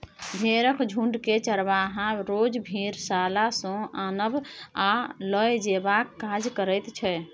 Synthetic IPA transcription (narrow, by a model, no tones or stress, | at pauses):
bʱeɾəkʰd͡ʒʱũɳɖket͡ʃəɾbaɦãɾod͡ʒbʱiɾsalasɔ̃anəbaləjd͡ʒebakːad͡ʒkəɾəjt̪t͡ʃʰɛ